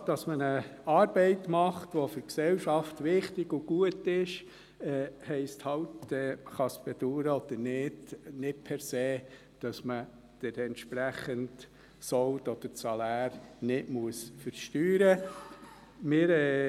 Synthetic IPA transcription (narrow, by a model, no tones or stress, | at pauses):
d̥ɑsmənəɑːɾbɛɪtmɑχtʋofʏɾksɛwʃɑftʋɪχtɪɡʊɡ̥uətɪʃ | ɛːhɛɪsthɑwtɛχɑsb̥ɛd̥̪uːɾəɔd̪̥əɾnɪd̥nɪt̚pʰɛɾseː | d̥ɑsmə | d̪̥ɛtɛnt̪ʃpɾæχənt | sɔwtɔd̪̥əɾsɑlæːɾnɪʔmuəsfəɾʃtyːɾə | mɪːɾɛ